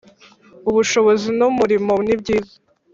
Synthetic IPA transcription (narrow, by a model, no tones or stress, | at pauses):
uβuʃo̞βozinumuɾimonibɟiːzḁ